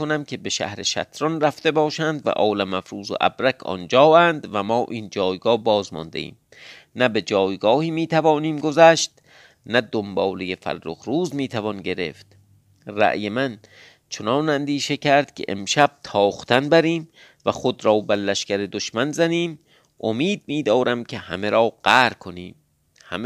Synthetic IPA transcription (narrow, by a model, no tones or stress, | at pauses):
onæmkʰe̞be̞ʃæ̰hɾe̞ʃæ̰t̪ʰɾɒnræft̪e̞bɒːʃænd̪væ̰ʔɒːlæmæfɾuːzo̰ʔæ̰bɾækʰɒ̰nd͡ʒɒːænd̪væmɒːʔiːnd͡ʒɒːjɡɒːhbɒːzmɒ̰nd̪e̞ʔḭːm | næbe̞d͡ʒɒːjɡɒːhiːmiːt̪ʰævɒːniːmɡozæʃt̪ | næd̪ombɒːlejefæ̰lːo̰xɾuːzmiːt̪ʰævɒnɟe̞ɾe̞̰ft̪ | ræ̰ʔjemæn | t͡ʃʰonɒːnænd̪iːʃe̞cʰæɾd̪̥̚kʲʰḛʔḛmʃæb̥̚t̪ʰɒːχt̪ʰænbæɾiːm | væxod̪ɾɒːbælːæʃkæɾed̪oʃmænzæniːm | ʔomiːd̪̚miːd̪ɒːɾæmcʰe̞hæ̰meɾɒːɢ̥æɾkʰoniːm | hæm